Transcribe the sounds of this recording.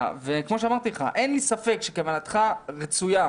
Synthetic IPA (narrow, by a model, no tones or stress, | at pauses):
vekmo̞ʃeamaʁt̪ileχa̰ʔenlisafe̞kʃekamalat̪χaʁet͡suja